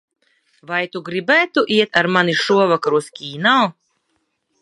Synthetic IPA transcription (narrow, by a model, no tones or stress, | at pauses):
vajt̪uɡɾibæːt̪uʔiɛt̪aɾmaniʃuɔvakaɾuskʲiːnaː